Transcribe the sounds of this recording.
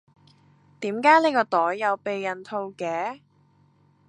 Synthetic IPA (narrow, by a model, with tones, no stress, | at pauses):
t̪iː˨˥mkaː˨˥ne˨˧jkɔː˧t̪ɔː˨˥jːɐ˨˧wpe˨jːɐ˨˩nt̪ʰo˧wkɛː˨˥